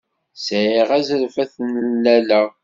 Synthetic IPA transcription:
sʕiʁæzəlfæθnlːælæ

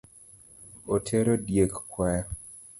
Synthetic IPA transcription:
otʰeɾodjekkwɛ

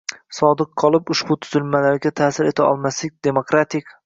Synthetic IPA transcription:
sɒd̪ɨqqʰːɒlˠɪpʊʃbʊt̪ʰʊzɪlmalaɾɡʲat̪ʰaːsɪɾe̞t̪ʰaɒ̰lˠmaslɪk̚ʲd̪̥e̞mokɾat̪ʰɪkʲ

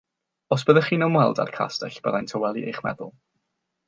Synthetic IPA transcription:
ɔs̬b̥əðəχiːnəmwɛlˠda̰rkʰa̰stɛɬb̥əðajntʰɔwɛlˠiejχmɛ̰ðʊ̰lˠ

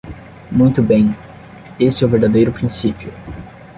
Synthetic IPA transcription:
mũj̃t̪ʊbẽj̃ | esɪɛʊveɾd̪ad̪ejɾʊpɾĩsipjʊ

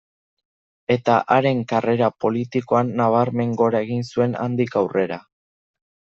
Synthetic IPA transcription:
e̞t̪aʔaɾe̞ŋkare̞ɾapo̞lit̪iko̞anːaβ̞aɾme̞ŋɡo̞ɾae̞ɣ̞insue̞na̰nd̪ikawre̞ɾa

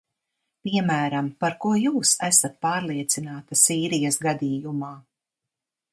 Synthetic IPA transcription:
piɛmæːɾampaɾkuɔjuːsæsat̪̚paːɾlˠiɛt̪sinaːt̪asiːɾijɐsɡad̪iːjumaː

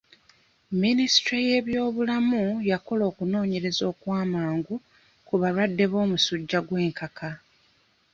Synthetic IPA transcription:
minisi̥tɾeje̞ːβjo̞ːβulamujako̞lo̞ːkuno̞ːɲe̞ɾe̞zo̞ːkwaːmaːŋɡu | kuβalwadːe̞βo̞ːmusuɟːaɡwe̞ːŋkakʰa

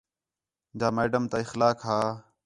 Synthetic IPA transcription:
d͡ʒaːmeːɖəmt̪aːɪxlaːkɦaː

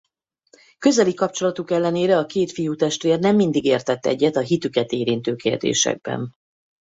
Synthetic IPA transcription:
kø̞zɛlikɒp̚t͡ʃo̞lɒt̪ukɛlːɛneːɾɛɒkeːt̪fijuːt̪ɛʃt̪ʋeːrnɛmːind̪iɡeːrt̪ɛt̪ːɛ̰ɟːɛt̪ɒɦit̪ykɛt̪eːɾint̪øːkeːrd̪ḛːʃɛ̰ɡ̚bɛ̰n

